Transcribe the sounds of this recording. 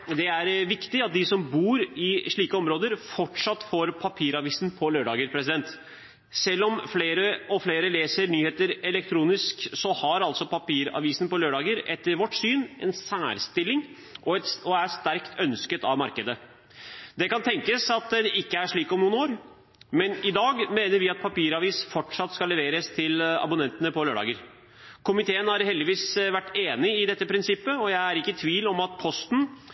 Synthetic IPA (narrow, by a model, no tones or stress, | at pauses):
d̪ɛæɾʋɪkt̪ɪɑt̪̚d̪ɪsɔmbuːɾɪʂɭiːkəɔmɾoːd̪əɾfɔʈʂɑt̪ːfoːɾpʰɑpʰiːɾɑʋiːsn̩pʰɔløːɖɑːɡəɾpʰɾɛs̬ɪd̪ɛnt̪ | sɛlːɔmfleːɾəʔɔfleːɾəleːsəɾnyːheːt̪əɾɛlɛk̚t̪ʰɾuːnɪsksɔhɑɾɑlt̪sɔpʰɑpiːɾɑ̰ʋiːsnpɔløːɖɑːɡəɾɛt̪ːəɾʋɔʈːsyːnɛ̰nsæːɾst̪ɪlːɪŋ | ʔɔɛt̪ɔæʂt̪æɾkt̪ʰœnskət̪ɑʋmɑɾkəd̪ə | d̪ɛkɑnt̪ʰɛŋkəsɑt̪d̪ɛɪkːəæʂɭiːkɔmnuːnoːɾ | mɛnɪd̪ɑːɡmeːnəɾʋɪɑt̪̚pʰɑpiːɾɑʋiːsfɔʈʂɑt̪ːskɑlːɛʋeːɾəst̪ʰɪlɑ̰bʊnɛnt̪ənəpʰɔløːɖɑ̰ːɡəɾ | kʰʊmɪt̪ʰeːənhɑɾhɛld̪ɪʋiːsʋæʈːeːnɪɪd̪ɛt̪ːəpʰɾɪnsɪpːəɔjæɪæɾɪkːət̪ʰʋiːlɔmɑt̪pʰɔst̪n̩